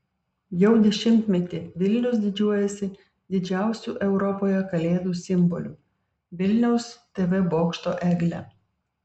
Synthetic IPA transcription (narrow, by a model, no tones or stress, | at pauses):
jɛʊd̪ʲɛʃʲɪmʲt̪ʲmʲɛt̪ʲiːʋʲɪlʲnʲʊsd̪ʲɪd͡ʒʲuɔjɛsʲɪ | d̪ʲɪd͡ʒʲæˑʊsʲuːʔɛʊɾɔpoːjɛkɐlʲeːd̪uːsʲɪmbɔlʲṵː | ʋʲɪlʲnʲɛʊst̪ʲeʋʲɛboːkʃt̪oːʔɛɡʲlʲɛ̰